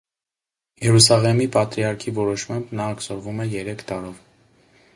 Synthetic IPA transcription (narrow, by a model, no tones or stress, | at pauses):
jɛɾusɑlɛmipɑt̪ɾiɑɾkʰivɔɾɔʃmɑmbnɑːksɔɾvumɛjɛɾɛkʰt̪ɑɾɔv